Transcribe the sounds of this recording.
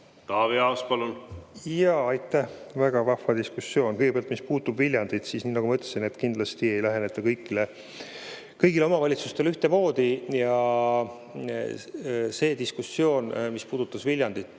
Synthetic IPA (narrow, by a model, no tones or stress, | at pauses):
t̪ɑːveɑwspɑlunjɑɑjt̪ːˑæhvæɡ̥ɑvɑfːɑd̪iskusːjo̞ːnkɤjɡepeɑlt̪mispuːt̪ːubvilʲjɑnd̪̥id̪̥siːsniːnɑɡ̥umɤt̪ˑːe̥sine̞t̪kind̪̥lɑst̪ie̞jlæɦe̞ne̞t̪ːˑɑkɤjkːˑile | kɤjɡ̥ile̞o̞mɑvɑlʲit̪sust̪elyht̪e̞mo̞ːd̪̥ijɑ | se̞ːd̪iskusːjo̞ːnmispuːd̪̥ut̪ˑːɑsvilʲjɑnd̪id̪̥